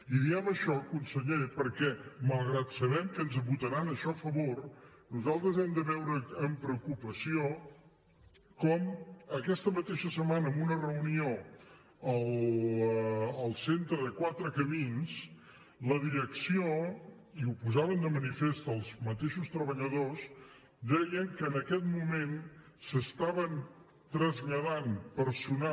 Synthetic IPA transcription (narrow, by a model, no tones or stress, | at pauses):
iðiɛβəʃɔkunsəʎepəɾkɛməlˠɣɾat̪səβɛmkənzβut̪əɾanəʃɔəfəβor | nuzalˠt̪ɾəzɛmd̪əβɛwɾəːmpɾəukupəsio | kɔməkɛst̪əmət̪eʃəsəmanəmbunərəunio | əl | əlˠsent̪ɾəðəkwat̪ɾəkəmins | ləðiɾəksio | iupuzaβənd̪əmənifest̪əlˠzmət̪eʃust̪ɾəβəʎəðos | d̪ɛjəŋkəːnəkɛt̪mumen | səst̪aβən | t̪ɾəzʎəðanpəɾsuna